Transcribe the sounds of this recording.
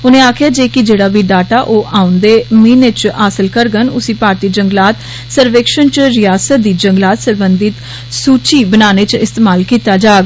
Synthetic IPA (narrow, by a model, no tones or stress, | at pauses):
ʊnẽːaːkʰɪjaːd͡ʒeːkɪd͡ʒeːɽaːbiːɖaːʈaːʔoːʔaːʊ̃nd̪eːmiːnet͡ʃaːsəlkəɾɡənʊsĩːpaːɾt̪iːd͡ʒəŋɡlaːt̪ | səɾʋeːkʃənt͡ʃɾɪjaːsət̪̚d̪iːd͡ʒəŋɡlaːt̪səɾbənd̪ɪt̪ | suːt͡ʃiːbənaːnet͡ʃɪst̪eːmaːlkiːt̪aːd͡ʒaːɡ